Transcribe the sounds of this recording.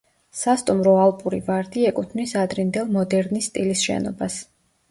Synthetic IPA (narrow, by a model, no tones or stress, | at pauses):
sast̪ʼumɾɔalˠpʼuɾivaɾd̪iɛkʼut̪ʰnisad̪ɾind̪ɛlˠmɔd̪ɛɾnist̪ʼilisʃɛ̰nɔ̰bas